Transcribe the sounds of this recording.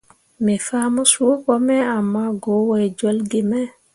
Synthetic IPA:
mɛfamɔsokɔmɛamːaɡɔwɔjd͡ʒɔlɡimɛ

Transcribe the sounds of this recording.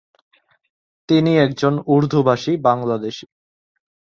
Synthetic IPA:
t̪iniɛkd͡ʑonuɾd̪ʱubʱaʃibaŋlad̪eʃi

